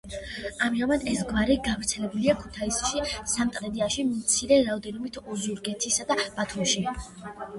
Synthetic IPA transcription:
amiamad̪ɛsɡvaɾiɡavɾt̪sʰɛlɛbuliakʰut̪ʰaisʃisamt̪ʼɾɛd̪iaʃimt̪sʰiɾɛɾaɔd̪ɛnɔmit̪ʰɔzuɾɡɛt̪ʰisad̪ab̥at̪ʰumʃi

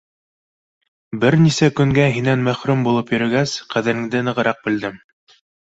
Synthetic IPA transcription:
bɘɾnisækɵ̆ŋɡæɦinænmæχɾʉmbulˠɤpjɵ̆ɾɘ̆ɡæsqæðɘ̆ɾɘ̆ŋd̪ɘnɤ̆ʁɤ̆ɾɑq̚bɘ̆ld̪ɘm

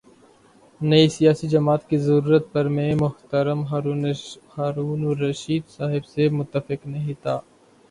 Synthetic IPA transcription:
nɐisijaːsid͡ʒɐmaːt̪kizɐɾuːɾət̪̚pɐɾmẽmʊht̪əɾəmɦ | haːɾuːnɾɐʃiːd̪saːɦɪbsemʊt̪ːəfɪknɐɦĩt̪ʰaː

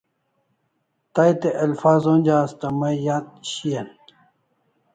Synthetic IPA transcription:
t̪ajt̪eʔɐlfaːzonʲd͡ʑaːst̪ɐmɐjat̪ɕiɐn

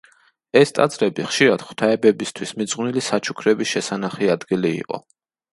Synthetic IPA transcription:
ɛst̪ʼa̰d̪zʼɾɛbiχʃiɾad̪̥χu̥t̪ʰaɛbɛbist̪ʰwismit̪zʼʁnilisat͡ʃʰu̥kʰɾɛbisʃɛsanaχiad̪ɡilḭːqʼɔ̰

